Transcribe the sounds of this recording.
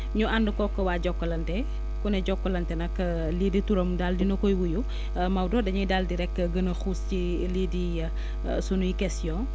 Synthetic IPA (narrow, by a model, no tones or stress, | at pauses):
ɲuandəkɔkːəwaɟɔkːɔlɐntɛ | kunɛɟɔkːɔlɐntɛnɐkː | liːdituɾɐmdaldinɔkɔjwuju | mɐwdɔːdɐɲujdaldiɾɛkːɡɐnɐxusci | lidi | sunujikɛstijɔ̃n